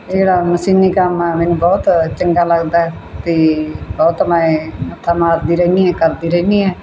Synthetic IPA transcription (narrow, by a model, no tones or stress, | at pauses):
d͡ʒeːɽaːməsiːniːkəmɛːmɛːnũːbɔːt̪t͡ʃəŋɡaːləɡd̪aːɦɛːt̪eːbɔːt̪maẽət̪ʰːaːmaːɾd̪iːɾəniːɦɛːkəɾd̪iːɾəɦniːɛː